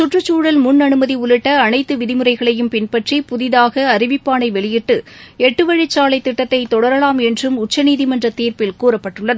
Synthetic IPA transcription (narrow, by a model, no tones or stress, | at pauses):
sʊʈrɯt͡ʃːuːɽɐlmʊnːɐnɯmɐðiʊɭɪʈːɐːnɐɪt̪ːɯʋɪðɪmɯrɐɪɣɐɭɐjɯmpɪnpɐʈripʊðɪðaːɣɐːɾɪʋɪpːaːnɐɪʋɛɭɪjɪʈːɯɛʈːɯʋɐɻɪt͡ʃːaːlɐɪt̪ːɪʈːɐt̪ːɐɪt̪ɔɽɐɾɐɭaːmɛndrɯmʊt͡ʃːɐniːðɪmɐndrɐt̪iːɾpɪlkuːrɐpːɐʈːɯɭːɐðɯ